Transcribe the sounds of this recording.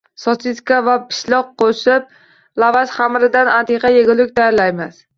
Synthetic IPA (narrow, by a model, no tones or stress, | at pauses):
sɒsɪt̪kʲavapʰɪ̥ʃlɒqqʰːoʃɪp̚ | lˠavasχamɾɪd̪anant̪ʰeqʰɑjeɡʲʊlˠɪk̚ʲt̪ʰajaɾlajmas